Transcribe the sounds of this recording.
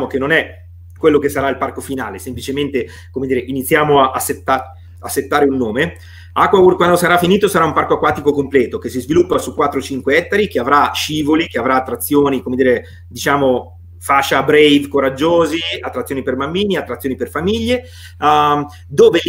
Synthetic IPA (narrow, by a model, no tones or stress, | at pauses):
mok̟enːonɛ | kwelːokesːaɾailparkofinaːlesemplit͡ʃement̪e | komed̪iːɾeʔinit̪sːjaːmoaʔaset̪ːa | asːet̪ːaːɾeunːoːme | akwawurkwand̪osaɾafiniːt̪osaɾaumparkoakːwaːt̪ikokomplɛːt̪okesːizvilupːasukːwat̪ːɾot͡ʃiŋkweɛt̪ːaɾik̟eavɾaʃiːvolikeavɾaːt̪ːɾat̪sːjoːnikomed̪iːɾe | d̪it͡ʃaːmo | faʃːabɾejvkoɾad͡ʒːoːziat̪ːɾat̪sːjoːniperbambiːniat̪ːɾat̪sːjoniperfamiʎːe | d̪oːve